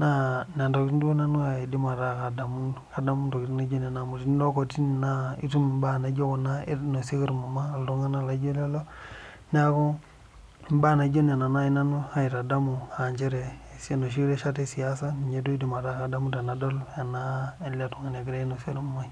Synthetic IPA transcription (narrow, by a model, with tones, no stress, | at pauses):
na˦na˨ndo˨ki˦n˦du˦o˦na˦nu˦a˨i˨di˦ma˨ɾa˦˨ka˨da˨mu˦nka˦da˦mu˦to˨ktna˦d͡ʒo˦na˨na˨mu˨ti˦n˦do˦ko˨ti˦n˨na˦ḭ˦tu˦m˨mba˦˨na˨d͡ʒo˦ko˨na˦no˨se˦ɡi˦ɾmu˨ma˦˨ldu˦ŋa˦na˦la˨d͡ʒo˦le˦lo˦ | n˦a˦ko˦ | m˦ba˦˨na˨d͡ʒo˦na˨na˨na˦i˦na˦nu˦ha˨i˨ta˨da˦mu˨a˨ɲt͡ʃe˦ɾe˨sno˨ʃ̬i˦ɾe˦ʃa˦te˦si˨ja˦sa˦ni˨ɲe˦do˦i˦di˦ma˨ɾa˦ka˨da˦mu˦nta˨na˨do˦la˨na˦e˦la˦tu˨ŋa˨n˨e˨ɡi˦ɾe˦no˨se˦ɾmu˨ma˦i˦